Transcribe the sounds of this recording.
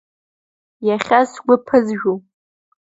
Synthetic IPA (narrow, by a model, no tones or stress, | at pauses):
jaχʲasɡʷʊpʰɨzʒᶣu